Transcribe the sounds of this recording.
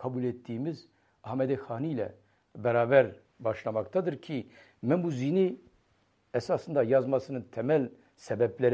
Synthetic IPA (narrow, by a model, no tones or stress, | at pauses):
kʰɑbulet̪ːimɨz | ɑhmɛd̪exɑːnilɛ̰ | bɛɾɑːbɛɾ | bɑːʃnɑmɑk̚t̪ɑd̪ɨɾkʲʰi | mɛmuzini | ɛsɑːsɨnd̪ɑjɑːzmɑsɨnɨnt̪ʰɛmɛl | sɛbɛblɛɾ